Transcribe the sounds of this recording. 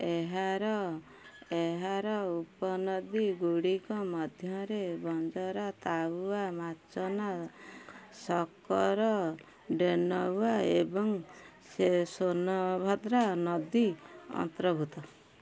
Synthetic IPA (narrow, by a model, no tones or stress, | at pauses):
eɦaɾɔ | eɦaɾɔupɔnɔd̪iɡuɽikɔmɔd̪ʱjɔɾebɔnd͡ʒɔɾɔt̪awuamat͡ʃɔna | sɔkɔɾɔ | ɖenɔwaebɔŋ | sesonɔbʱɔd̪ɾanɔd̪iɔ̰nt̪ɾɔbʱut̪ɔ